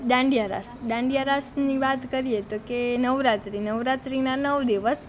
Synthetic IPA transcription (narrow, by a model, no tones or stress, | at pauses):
ɖãɳɖijaɾa̰sɖãɳɖijaɾasniʋat̪kəɾiet̪okenəʋɾat̪ɾinəʋɾat̪ɾinanəʋd̪iʋəs